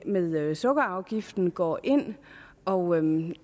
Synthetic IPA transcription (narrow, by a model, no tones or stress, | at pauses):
meðˠsɔɡ̥ɐɑ̈ʊɡ̥ifd̥n̩ɡ̥ɒ̰ːʔe̝n̰ | ɒ̽ʊ